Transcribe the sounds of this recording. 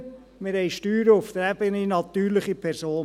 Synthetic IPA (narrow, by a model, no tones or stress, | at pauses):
mɪɾɦɛjʃtyːɾəʊft̪əɾɛbəninɑt̪yːɾləχipʰɛɾsoː